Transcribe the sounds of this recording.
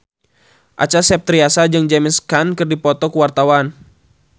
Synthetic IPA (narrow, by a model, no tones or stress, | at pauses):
ʔa̰t͡ʃasɛp̚t̪ɾiasad͡ʒɨŋd͡ʒɛmiskankɨrdipɔt̪ɔkuwart̪awan